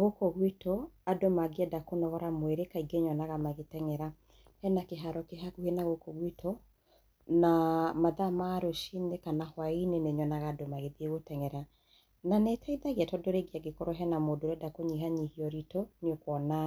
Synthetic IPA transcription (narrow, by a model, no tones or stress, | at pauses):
ɣokɔɣwitɔadomaɡeɛdakonɔɣɔɾamweɾekaiɡeɲɔnaɣamaɣetɛŋɛɾa | hɛnakeɦaɾɔkeɦakuhenaɣokɔɣwitɔ | namaðamaɾoʃinekanahwaineneɲɔnaɣaːdomaɣeðieɣotɛŋɛɾa | nanɛtʰaiðaɣeatɔdoɾeɡiaɡekɔɾɔɦɛnamodoɾɛdakoɲiɦaɲihiɔɾitoneokwɔna